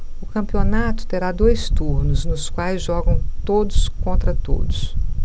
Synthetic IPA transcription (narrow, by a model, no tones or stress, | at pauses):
ʊkɐ̃mpionat̪ʊ̥t̪eɾad̪ojst̪uɾnʊznʊskwajzʒɔɡɐ̃w̃t̪od̪ʊskõnt̪ɾɐt̪o̰d̪ʊs